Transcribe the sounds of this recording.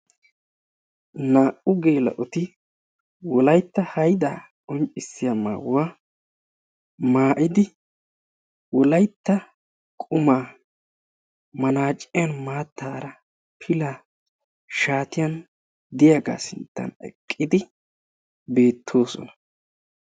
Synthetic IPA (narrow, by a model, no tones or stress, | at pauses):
naːʔʊɡeːlɐ̰ʔɔt̪ɪ | wɔlɐjt̪ːɐhɐjd̪aː | ɔnt͡ʃʼːɪsːɪjamːa̰ːwa | maːʔɪd̪ɪ | wɔlɐjt̪ːɐ | kʼʊmaː | mɐnaːt͡ʃʼːɪjɐnmaːt̪ːaːɾɐ | pʰɪla | ʃaːt̪ɪjɐn | d̪ɪjaːɡa̰ːsɪnt̪ːɐ̰nɛ̰kʼːɪd̪ɪ | be̞ːt̪ʰːo̞ːsɔ̰nɐ̥